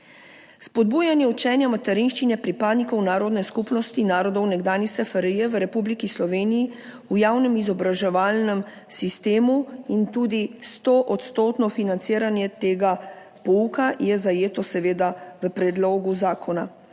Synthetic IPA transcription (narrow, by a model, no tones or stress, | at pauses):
spɔd̪̚buːjanjɛut͡ʃɛːnjamat̪ɛɾinʃt͡ʃinɛpɾipaːd̪nikɔwnaːɾɔd̪nɛskupnɔst̪inaːɾɔd̪ɔwnɛɡd̪aːnisɛfaɾijɛʋəɾɛpublikislɔʋeːniji | ujaːwnɛmizɔbɾaʒɛʋaːlnɛm | sist̪eːmuint̪uːd̪ist̪oʔɔt̪st̪oːt̪nɔfinant̪siːɾanjɛt̪eːɡa | pɔukajɛzajeːt̪ɔsɛʋeːd̪aʋəpɾɛd̪loːɡuzaːkʰɔna